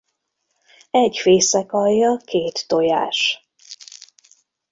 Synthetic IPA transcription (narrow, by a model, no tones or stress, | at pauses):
ɛɟfeːsɛkɒjːɒkeːt̪ːoja̰ːʃ